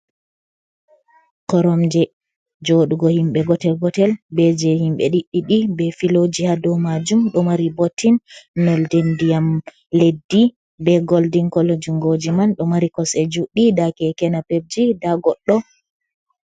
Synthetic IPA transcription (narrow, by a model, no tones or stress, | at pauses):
kɔɾɔmd͡ʒɛ | d͡ʒoɗuɡɔhimɓɛɡɔtɛlɡɔtɛlbɛd͡ʒɛhimɓɛ̰ɗiɗːiɗibɛfilod͡ʒihadɔmad͡ʒumɗɔmaɾibotʰːinːɔldendijam | ledːi | bɛɡoldiŋkɔlod͡ʒuŋɡod͡ʒimanɗɔmaɾikɔsɛd͡ʒuɗidakɛkɛnapeb̚d͡ʒidaɡɔɗːɔ